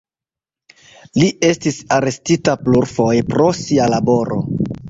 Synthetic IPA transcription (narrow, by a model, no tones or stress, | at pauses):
lie̞stisaɾe̞stitapluɾfo̞jpɾo̞sialabo̞ɾo̰